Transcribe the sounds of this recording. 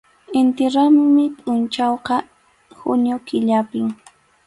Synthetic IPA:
ɪnt̪ɪɾammɪpʼʊnt͡ʃawqɑ | hʊ̰njokɪʎapɪŋ

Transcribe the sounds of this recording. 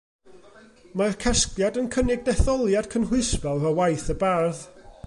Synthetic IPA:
markʰɛskljadənkʰənɪɡ̚dɛθɔlˠjad̥̚kʰənɦwɪspɛlˠəwajθəbarð

